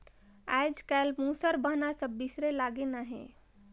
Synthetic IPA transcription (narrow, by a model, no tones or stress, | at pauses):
a̰jd͡ʒkajlmũsəɾbəɦnasəbːisɾelaɡenaɦḛ̃